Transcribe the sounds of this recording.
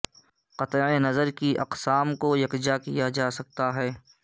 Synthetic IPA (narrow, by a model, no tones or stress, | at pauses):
qɐt̪enɐzəɾkiʔɐ̰qsaːmkojɐkd͡ʒakijad͡ʒaːsɐk̚t̪aɦɛː